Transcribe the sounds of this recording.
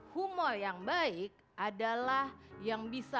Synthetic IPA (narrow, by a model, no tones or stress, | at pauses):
humɔrjaŋbaik̚ʔadalahjaŋbisa